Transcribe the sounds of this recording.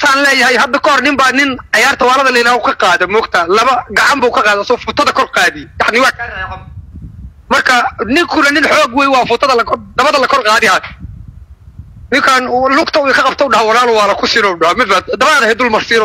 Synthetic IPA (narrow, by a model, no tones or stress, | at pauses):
t̪ʰaːnlɛːjɐɦɛjɦɐd̪ɐkʰɔhɔrnɪmbaːnɪnʕɑjaːrt̪ʰɐwɑːlɐðɐlɐjɪɾaːhʊkʰɐqɑːðɛmɔːɡ̚t̪ʰɐlɐβɐɡɑʕɑmbuːkʰɐqɑːðɛsɔfʊt̪ʰɐðɐkʰɔrqɑːðɪjɑʕnɪwɑːkʰaːɾɐɛɐ | mɐrkʰɐnɪŋkʰʊnɐnɪnħɔːɡwɛːjwɑːfʊt̪ʰɐðɐlɐkʰɔd̪̥ɐβɐðɐlɐkʰɔrqɑːðɪɐ | nɪŋkʰaːnlʊɡt̪ʰɐʊɛkʰɐqɑb̚t̪ʰɛʊɖɑhɐwɑlaːlʊwɑːlɐkʰʊsɪnɔʊɖɑhɔmɪd̪bad̪d̪ɐβɐaːðɐhɛd̪ʊlmɐrsiɾɔ